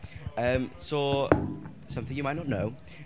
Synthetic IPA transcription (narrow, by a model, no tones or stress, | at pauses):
əmso | sʌ̃mθɪ̃ŋjɨmaɪt̚nɔt̚now